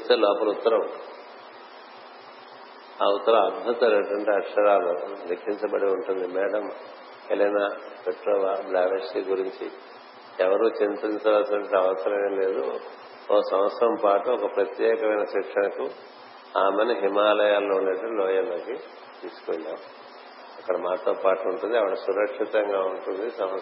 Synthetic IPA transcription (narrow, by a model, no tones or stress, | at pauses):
t̪eːlɔːpɐlut̪ːɐɾɐm | a̰ut̪ɐɾɐɐd̪̚bʱut̪ɐleɳʈɐɳʈeɐkʂɐɾaːlud̪ekʰːiɲt͡ʃɐbɐɽiuɳʈund̪imɛːɽɐm | elɐnapeʈɾoːʋaːblaːʋeʂʈiɡuɾiɲt͡ʃḭ | ɛʋɐɾut͡ʃintiɲt͡ʃaːlsinɐɳʈeɐʋɐsɐɾɐmeːle̞ːd̪ṵ | ɔːsɐmɐt̪sɐɾɐmpaːʈuɔkɐpɾɐt̪jɛːkɐmɐjnɐʃikʂɐnɐku | aːmeniɦimaːlɐjaːlːoːunːeʈːulɔːjɐloːki | t̪iːsu̥koːlːaːu | ɐkːɐɽɐmaːt̪oːpaːʈuːɳʈund̪iɐʋɐɽɐsuɾɐkʂit̪ɐŋɡaːuɳʈund̪isɐmʋɐ